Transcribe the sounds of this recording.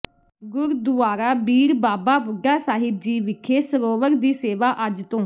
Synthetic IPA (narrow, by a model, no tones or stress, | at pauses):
ɡʊɾd̪ʊaːɾaːbiːɾbaːbaːbʊɡaːsaːɦɪb̚d͡ʒiːʋɪkʰeːsəɾoːʋəɾd̪iːseːʋaːʔəd͡ʒt̪õː